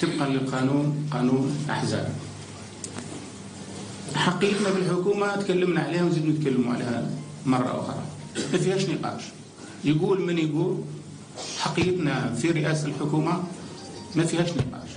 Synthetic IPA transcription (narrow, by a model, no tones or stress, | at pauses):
t̪əb̚qɑləlqɑnuːnqɑnuːnʔa̰ħzæ̰b | ħɑqːijət̪næbəlħʊkuːmat̪kælːəmnaʕalihʊmzid̪mujt̪̚kælːəmuʕa̰lahæ | mɑrˤːɑ̰ʔʊ̰xɾˤɑ̰ | mæfihæʃnəqɑ̰ʃ | jɡuːlmənjɡuːl | ħɑqːijət̪næfiɾɪʔæːsəlħʊkuma | mæfihæʃnəqɑ̰ːʃ